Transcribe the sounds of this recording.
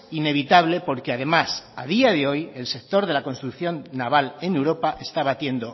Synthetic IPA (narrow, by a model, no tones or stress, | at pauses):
ine̞β̞it̪aβ̞le̞po̞ɾkeaðe̞masað̞iað̞e̞o̞je̞lse̞k̚t̪o̞ɾðe̞lako̞nst̪ɾukθjo̞nːaβale̞newɾo̞paʔe̞st̪aβat̪je̞nd̪o̞